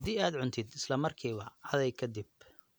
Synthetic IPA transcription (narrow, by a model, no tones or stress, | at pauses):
d̪iːaːd̪ʕʊnt̪ʰɪd̪ɪslɐmɐrkʰiːβɐhɐðɐjkʰɐd̪ɪb̚